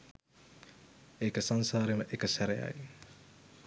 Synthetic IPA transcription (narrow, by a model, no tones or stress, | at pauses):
ekəsansaːɾeməʔekəsæɾeja̰j